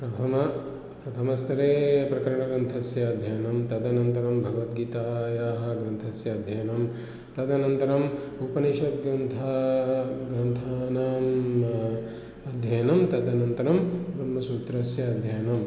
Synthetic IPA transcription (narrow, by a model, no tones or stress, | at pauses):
pɾɐt̪ʰɐmɐ | pɾɐt̪ʰɐmɐst̪ʰɐɾeːpɾɐkɐɾɐɳɐɡɾɐnt̪ʰɐsjɐːd̪ʱjɐjɐnɐmt̪ɐd̪ɐnɐnt̪ɐɾɐmbʱɐɡɐʋɐt̪̚ɡiːt̪aːjaːɦɐ̆ɡɾɐnt̪ʰɐsjɐːd̪ʱjɐjɐnɐm | t̪ɐd̪ɐnɐnt̪ɐɾɐm | upɐniʃɐt̪̚ɡɾɐnt̪ʰa | ɡɾɐnt̪ʰaːnaːm | ɐd̪ʱjɐjɐnɐmt̪ɐd̪ɐnɐnt̪ɐɾɐmbɾɐmːɐsuːt̪ɾɐsjɐːd̪ʱjɐjɐnɐm